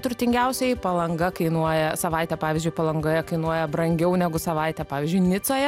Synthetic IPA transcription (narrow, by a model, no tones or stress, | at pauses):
t̪ɾʊt̪ʲɪŋɡʲɛʊsʲɛɪpɐlˠɐŋɡɐkɐɪnuɔjɛsɐʋɐɪt̪ʲɛpɑːʋʲɪːzʲd͡ʒʊɪpɐlˠɐŋɡoːjɛkɐɪnuɔjɛbɾɐŋʲɡʲɛʊnʲɛɡʊsɐʋɐɪt̪ʲɛːpɑːʋʲɪːzʲd͡ʒʲʊɪnʲɪsoːjɛ